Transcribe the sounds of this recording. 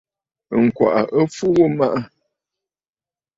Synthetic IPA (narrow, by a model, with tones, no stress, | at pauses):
ŋ̩˨kwa̰˨ʔa̰˨ʔə˦fu˦ɣu˦ma˦ʔa˦